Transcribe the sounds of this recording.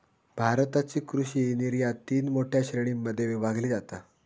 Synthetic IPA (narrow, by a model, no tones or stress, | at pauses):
bʱaɾt̪at͡ɕiːkɾuɕiːniɾjat̪iːnmoʈʰjaɕɾeɽ̃imːəd̪ʱːjeʋibʱaɡliːd͡zat̪a